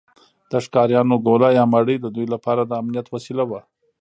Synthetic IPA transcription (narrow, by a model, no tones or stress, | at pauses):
d̪̥əʂkɑɾjɑnoɡolajɑmaɽəd̪əd̪ujlapɑɾad̪əamnijat̪wasilawa